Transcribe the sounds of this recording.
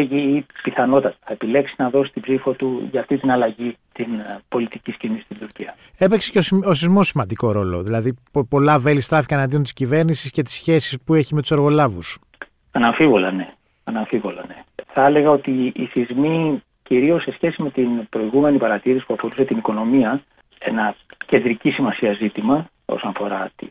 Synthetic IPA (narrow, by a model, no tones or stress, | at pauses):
ʝiipiθɐno̞t̪ɐt̪ɐ̥θɐepile̞ksinɐðo̞sit̪ibzifot̪uʝɐːft̪int̪inɐlɐʝit̪inpo̞lit̪iciscinist̪ind̪uɾciɐ | e̞pekse̥ceososizmo̞simɐnd̪iko̞ɾo̞lo̞̰ðilɐðipo̞lɐve̞list̪ɾɐfikɐnɐnd̪iot̪i̥scive̞ɾnisisce̞t̪i̥sçe̞si̥spue̞çimet̪u̥seɾɣo̞lɐvus | ɐnɐɱfivo̞lɐ̰ne̞ | ɐnɐɱfivo̞lɐ̰ne̞θɐele̞ɣɐo̞t̪iiθizmi | ciɾio̞sːe̞sçe̞sime̞t̪inb̥ɾo̞iɣume̞nipɐɾɐt̪iɾisi̥puɐfo̞ɾuset̪iniko̞no̞miɐ | e̞nɐce̞nd̪ɾicisimɐsiɐzit̪imɐ | o̰sonɐfo̞ɾɐt̪i